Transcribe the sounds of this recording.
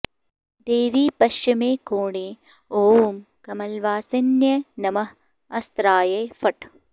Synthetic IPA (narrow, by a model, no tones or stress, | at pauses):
d̪eːʋiːpɐʃjɐmeːkoːɳeː | oːm | kɐmɐlʋaːsɐnjɐnɐmɐh | ɐst̪ɾaːjɐjfɐʈ